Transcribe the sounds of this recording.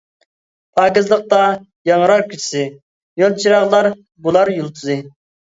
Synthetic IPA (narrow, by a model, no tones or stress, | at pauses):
pʰɑːkʲɪzlˠəq̚t̪ɑ | jɑŋɾɑqkʲʰyt͡ʃʰi̥sɪ | jolˠt͡ʃʰiɾɑʁlˠɑɾ | bulˠɑɾjulˠt̪ʰuzɨ